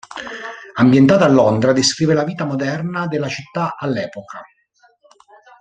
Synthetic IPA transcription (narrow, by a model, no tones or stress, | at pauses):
ambjent̪aːt̪alːond̪ɾad̪eskɾiːvelaviːt̪amod̪ɛrnad̪elːat͡ʃit̪ːaalːɛːpoka